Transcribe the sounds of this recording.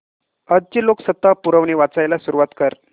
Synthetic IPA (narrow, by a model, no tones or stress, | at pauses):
əd̪̚d͡ʑeloksət̪ːapuɾəʋniʋat͡sajlasuɾuʋat̪kəɾ